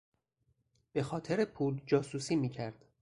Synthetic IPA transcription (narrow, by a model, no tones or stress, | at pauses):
b̥e̞xɒːt̪ʰeɾepʰuːld͡ʒɒːsuːsiːmiːcʰæɾd̪̥